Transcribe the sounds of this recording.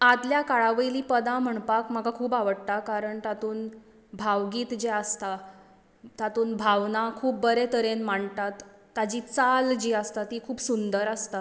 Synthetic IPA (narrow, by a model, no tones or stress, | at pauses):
ad̪ljakaɭaʋəiliːpəd̪ãm̤əɳpakm̤aɡakʰuːpaʋəɽt̪akaɾəɳt̪at̪uːn | bʱaʋɡiːt̪d͡ʑeəst̪a | t̪at̪uːnbʱaʋnakʰuːp̚bəɾet̪ʰəɾenmaɳt̪at̪ːad͡ʑiːt͡sald͡ʑiːəst̪at̪iːkʰuːpsund̪əɾəst̪a